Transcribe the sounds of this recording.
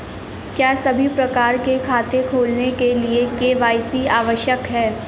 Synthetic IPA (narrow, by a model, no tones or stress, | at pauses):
kjaːsɐbʱipɾɐkaːɾkekʰaːt̪ekʰoːlnekeliekeːʋaːjsiaːʋəʃjəkɦɛː